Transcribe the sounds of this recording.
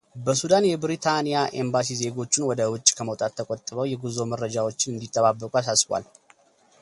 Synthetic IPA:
bəsud̪anjɛbɾit̪ʰanijaʔe̞mbas̬ize̞ɡo̞t͡ʃːunwɔd̪əwʊt͡ʃʼːkʰəməwt̪ʼat̪ʰːəkʼɔt̪ʼːɨβəwjɛɡuzo̞məɾrːəd͡ʒawo̞t͡ʃːɪnɨnd̪it̪ʼːəβabːəkʼuasasbwa̰l

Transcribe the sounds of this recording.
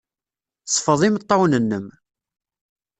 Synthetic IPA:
sˤfəðˤimət̪ˤːɑwnənːəm

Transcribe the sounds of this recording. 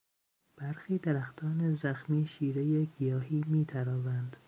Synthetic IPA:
b̥æɾxiːd̪eɾæxt̪ʰɒːnezæxmiːʃiːɾejeɡijɒːɦiːmiːt̪ʰæɾɒːvænd̪̥

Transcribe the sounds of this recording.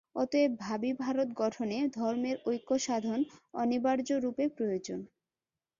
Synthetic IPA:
ɔt̪oebʱabibʱaɾot̪ɡɔʈʰoned̪ʱɔɾmeɾojkːoʃad̪ʱonɔnibaɾd͡ʑoɾupepɾojod͡ʑon

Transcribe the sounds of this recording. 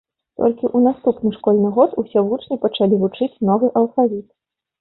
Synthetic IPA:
t̪ɔ̰lʲkʲiʔunast̪upnɨʂkɔlʲnɨɣɔt̪usʲɛvut͡ʂnʲipɐt͡ʂalʲivut͡ʂɨt͡sʲnɔvɨʔɐlˠfavʲit̪

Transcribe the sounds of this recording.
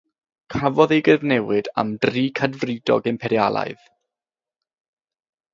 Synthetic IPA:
kʰavɔðejɡəvnɛwɨda̰mdriːkʰadvrɨdɔ̰ɡɛmpʰɛɾjalˠa̰jð

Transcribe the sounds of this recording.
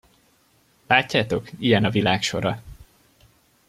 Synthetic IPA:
laːcːaːt̪o̞kijɛnɒvilaːkʃo̞̰ɾɒ

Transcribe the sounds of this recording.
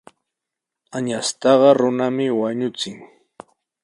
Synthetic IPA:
aɲast̪ɑɢɑɾʊnamɪwaɲʊt͡sɪŋ

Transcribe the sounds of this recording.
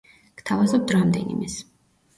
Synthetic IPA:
kt̪ʰavazɔp̚t̪ʰɾamd̪ɛ̰nḭmɛs

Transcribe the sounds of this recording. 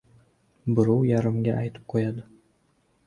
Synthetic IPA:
bɨɾowjaɾɨ̆mɡʲaʔajt̪ɨ̥p̚qʰojɑd̪ə

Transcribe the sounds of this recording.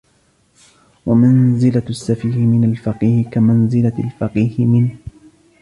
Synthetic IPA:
wamanzɪlaasːafiːɾɪmɪnalfaqiːhɪkamanzɪlalfaqiːhɪmɪnh

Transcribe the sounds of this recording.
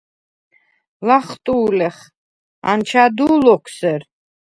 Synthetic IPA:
laχt̪ʼuːlɛχ | a̰nt͡ʃʰad̪uːlɔkʰsɛɾ

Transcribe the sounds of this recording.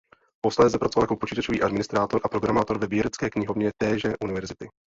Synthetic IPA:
post̪aɛzɛpɾatt͡sovaljakopot͡ʃiːt̪at͡ʃoviːʔadmɪnɪst̪ɾaːt̪o̞ɾʔapɾoɡɾamaːt̪o̞ɾvɛvjɛɾɛt͡skɛːkɲɪɦo̞vɲɛt̪ɛːʒɛʔunɪvɛɾzɪt̪ɪ

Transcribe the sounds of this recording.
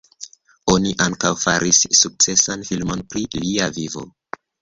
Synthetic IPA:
o̞niʔaŋkawfaɾʔisːuk̚t͡se̞sanfilmo̞npɾiliavivo̞̰

